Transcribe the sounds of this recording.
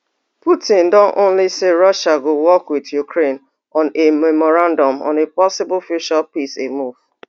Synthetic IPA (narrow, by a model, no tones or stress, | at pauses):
putɪ̃ndɔ̃nʔõ̰nliseɾɔʃaɡowɔkwɪdjukɾen | ɔ̃nemɛmɔɾãndɔ̃mɔ̰̃nepɔsɪbʊlfjuʃapisemuv̥